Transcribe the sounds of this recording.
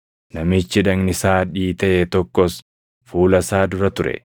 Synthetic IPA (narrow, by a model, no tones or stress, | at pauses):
nɐmɪt͡ʃːɪᶑɐŋnɪsaːᶑiːt̪ɐʔet̪ɔkːɔs | fuːlɐsaːd̪ʊɾɐt̪ʊɾɛ̰